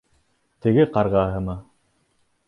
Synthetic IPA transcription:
t̪ɘ̆ɡɘqɑɾʁɑɦɤmɤ

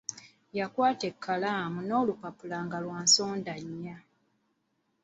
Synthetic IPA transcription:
jakwaːtekʰːalaːmuno̞ːlupapulaːŋɡalwaːnso̞ːndaɲːa

